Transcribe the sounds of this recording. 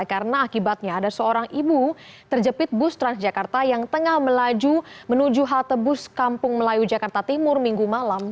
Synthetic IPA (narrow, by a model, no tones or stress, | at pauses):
kaɾənaːkibat̪̚ɲaːdasəoɾaŋʔibut̪ərd͡ʒəpɪt̪̚bʊst̪ɾansd͡ʒakart̪ajaŋt̪əŋahməlad͡ʒumənud͡ʒuɦalt̪əbʊskampʊŋməlajud͡ʒakart̪at̪imʊrmiŋɡumalam